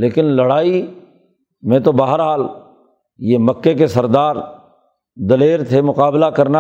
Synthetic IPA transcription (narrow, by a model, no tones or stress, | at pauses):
leːkɪnlɐɽaːi | mẽt̪obaːɦəɾɦaːl | jemɐkːekesɐɾd̪aːɾ | d̪ɐleːɾt̪ʰemʊqaːblakɐɾna